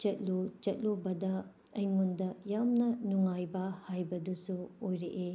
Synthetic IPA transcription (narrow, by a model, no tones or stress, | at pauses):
t͡ʃɐt̚lot͡ʃɐt̚lobɐdɐ | ɐjŋundɐjamnɐnuŋajbɐhajbɐdusuojɾeʔe